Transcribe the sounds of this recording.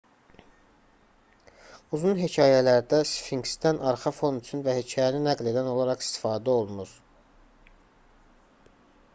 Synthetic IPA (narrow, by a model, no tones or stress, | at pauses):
uzunɦecʰɑːjælæɾd̪æsfiŋɡst̪ænʔɑɾχɑfo̞nyt͡ʃʰynvæhecʰɑːjæninæɡle̞d̪æno̞lˠɑɾɑχi̥st̪i̥fɑːd̪æo̞lˠnuɾ